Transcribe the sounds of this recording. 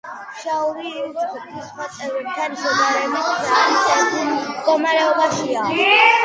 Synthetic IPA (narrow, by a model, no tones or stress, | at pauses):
ʃaɔɾiɔɾɔt̪ʰpʰisχwat̪sʼɛvɾɛb̚t̪ʰanʃɔd̪aɾɛbiait̪ʼɛd̪ɡɔmaɾɛɔbaʃia